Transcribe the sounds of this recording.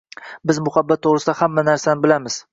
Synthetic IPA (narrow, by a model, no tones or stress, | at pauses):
bɪzmʊhabːat̪ʰːoʁɾɪsɪd̪ahamːanaɾsanɪbɪlamɪz̥